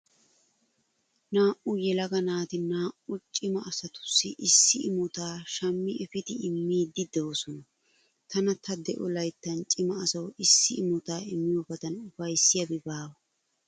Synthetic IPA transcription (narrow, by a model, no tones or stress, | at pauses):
naːʔʊjɛlɐɡɐnaːt̪ɪnaːʔʊt͡ʃʼɪmɐɐsɐt̪ʊ̥sːɪʔɪsːɪɪmʊt̪aːʃɐmːɪʔɛfɪd̪ɪɪmːiːd̪ːɪd̪owːsɔnɐ | t̪ɐnɐt̪ɐd̪ɛʔɔlɐjt̪ːɐnt͡ʃʼɪmɐɐsɐwɪsːɪɪmʊt̪aːɪmːɪjobɐd̪ɐnʊfɐjsːɪjɐbɪbaːwɐ